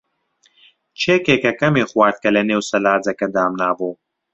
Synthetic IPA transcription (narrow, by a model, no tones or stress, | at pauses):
t͡ʃʰeːkeːkɐkɐmeːxwaːɾt̪̚kɐlɐneːwsɐlaːd͡zɐkɐd̪aːmnaːbuː